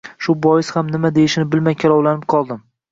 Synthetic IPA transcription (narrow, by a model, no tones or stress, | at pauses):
ʃʊbɒjɪshamnɪmad̪ejɪʃɪnɪbɪlmajkʲʰalˠɒwlanɪp̚qʰɒlˠd̪ɪm